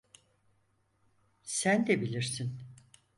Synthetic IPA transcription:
sænd̪ɛbilʲiɾsin

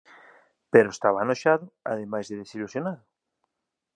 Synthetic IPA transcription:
peɾoest̪aβanoʃaðʊa̰ðemajzðeðesilusjonaðʊ

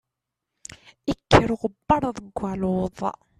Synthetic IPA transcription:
ikʰːəɾʁəbːɑɾˤðˤəɡʷːælʊðˤ

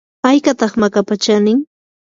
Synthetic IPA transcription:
pajkat̪ɑχmakapat͡ʃanɪŋ

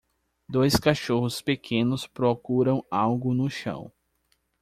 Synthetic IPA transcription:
d̪ojskaʃohʊspekʰẽnʊspɾokuɾɐ̃w̃awɡʊnʊʃɐ̰̃w̃

